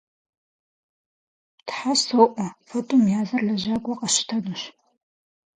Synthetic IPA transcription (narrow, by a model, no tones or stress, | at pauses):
tħassoʔʷʼɔfotʼumjaːzɐɮɐʒaːkʷʼɔqɐɕɪ̥tʰɐduɕ